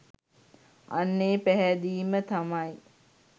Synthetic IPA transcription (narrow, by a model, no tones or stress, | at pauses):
a̰nːeːpæɦæd̪iːmət̪amaj